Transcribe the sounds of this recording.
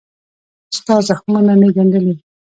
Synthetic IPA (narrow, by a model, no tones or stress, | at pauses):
st̪ɑzaxmananeɡand̪əli